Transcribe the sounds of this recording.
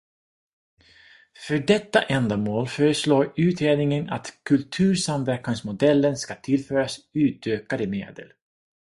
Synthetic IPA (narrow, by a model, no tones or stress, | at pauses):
fœɖɛt̪ːa̰ʔɛnd̪amoːlfœːɾəsloːɾʉ̟ːt̪ʰeːlnɪŋənat̪kʰɵlt̪ʰʉ̟ːɾsamvæɾknaŋsmʊd̪ɛlːənskat̪ʰɪlfœːɾasʉ̟ːt̪øːkad̪əmḛːd̪ə̰l